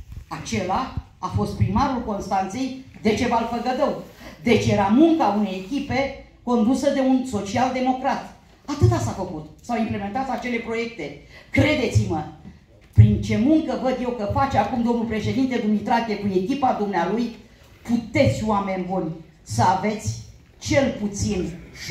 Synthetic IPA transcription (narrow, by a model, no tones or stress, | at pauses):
at͡ʃe̞la | afo̞st̪̚pɾimaɾulko̞nst̪ant̪se̞jd̪e̞t͡ʃe̞valfəɡəd̪əwd̪e̞t͡ʃje̞ɾamuŋkaune̞jekʲipe̞ | ko̞nd̪usəd̪e̞unso̞t͡ʃiald̪e̞mo̞kɾat̪ | at̪ɨt̪asafəkut̪sawimple̞me̞nt̪at̪ʲat͡ʃe̞le̞pɾo̞je̞k̚t̪e̞kɾe̞d̪e̞t̪simə | pɾint͡ʃe̞muŋkəvəd̪je̞wkəfat͡ʃakumd̪o̞mnulpɾe̞ʃe̞d̪int̪e̞d̪umnit̪ɾak̪ʲe̞kue̞kʲipad̪umnealuj | put̪e̞t̪sʲoame̞nʲbunʲ | səave̞t̪sʲ | t͡ʃe̞lput̪sin